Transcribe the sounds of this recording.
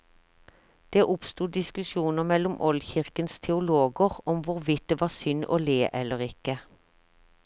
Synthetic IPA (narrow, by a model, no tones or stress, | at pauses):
d̪̥eːʔʊpst̪uːd̪ɪskʉsjuːnəʁmɛlʊmʔɔlçɪʁkənst̪ʰɛʊloːɡəʁɔmʋʊʁʋɪt̪̚d̪eːʋɑːsʏno̰ːleːʔɛləʁɪkə